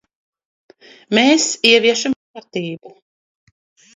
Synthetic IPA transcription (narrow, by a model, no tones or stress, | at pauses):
meːsiɛviɛʃamkaɾt̪iːbu